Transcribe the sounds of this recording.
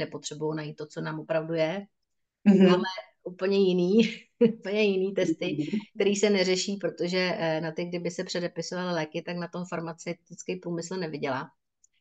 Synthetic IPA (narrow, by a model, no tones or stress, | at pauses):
nɛpo̞t̪r̥ɛbujownajiːt̪ːot͡so̞naːmopɾavdujɛ | maːmɛʔuːpl̩ɲɛjɪniːupl̩ɲɛjɪniːt̪ɛst̪ɪk̚t̪ɛɾiːsɛnɛrɛʃiːpɾo̞t̪o̞ʒɛnat̪ɪɡ̚dɪbɪsɛpr̥ɛdɛpɪso̞valɪlɛːkɪt̪aknat̪o̞mfaɾmat͡sɛwt̪ɪt͡skɛjpɾuːmɪsl̩nɛvɪɟɛlaː